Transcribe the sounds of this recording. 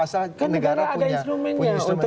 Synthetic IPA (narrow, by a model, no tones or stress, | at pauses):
akanəɡaɾaadainst̪ɾumɛ̃nɲãunt̪ʊ